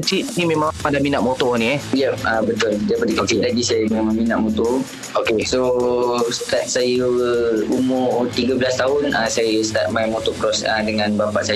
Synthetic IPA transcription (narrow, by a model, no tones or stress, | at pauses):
t͡ʃiʔnimẽmãŋmadaminaʔ̪̚mɔt̪ɔniɛjɛp̚abət̪ʊldajipadəkt͡ʃilaɡisajəmemãminaʔ̪̚mɔt̪ɔ | okesost̪at̪̚sajəumʊrt̪iɡabəlast̪aɦʊnasajəst̪at̪̚majmot̪ɔkɾɔsadəŋãnbapa̰ʔsaj